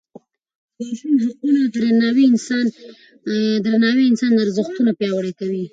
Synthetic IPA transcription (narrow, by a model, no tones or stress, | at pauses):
b̪aʃinʒuunad̪ɾanɑwiɪnsɑn | d̪ɾanɑweɪnsɑnaɾzəxt̪unapjɑwəɽekawi